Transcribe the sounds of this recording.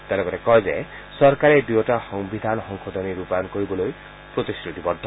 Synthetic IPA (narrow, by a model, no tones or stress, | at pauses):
t̪alekɔɾekɔjzḛ | sɔɾkaɾed̪uɔʈaxɔŋbid̪ʱanɔxɔŋxʰɔd̪ɔniɾupankoɾibɔloj | pɾot̪iskɾut̪ibɔd̪ʱːɔ